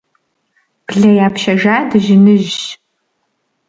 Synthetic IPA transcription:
b̥ɮɐjaːpʰʃɐʒaːdɨʒɪnɨʒ

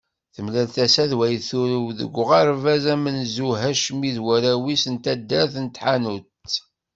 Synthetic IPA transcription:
θəmlælθæsæðwæjθuɾəwðə̰ɡʷːʁæɾˤvæzæmənzuɦæʃmiðwæɾæwisənt̪æd̪ːæɾθənt̪ħanut̪

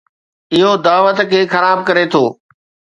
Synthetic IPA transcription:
ɪɦod̪aːʋət̪kʰeːxɐɾaːb̚kɐɾet̪ʰoː

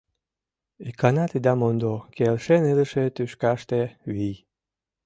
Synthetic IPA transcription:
ikanat̪id̪amond̪okelʃenɨlə̆ʃet̪yʃkaʃt̪eβij

